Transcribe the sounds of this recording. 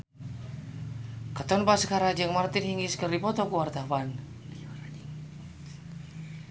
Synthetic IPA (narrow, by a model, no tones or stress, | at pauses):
kat̪ɔnpasəkaɾad͡ʒəŋmart̪ɪnhiŋiskərdipɔt̪ɔkuwart̪awan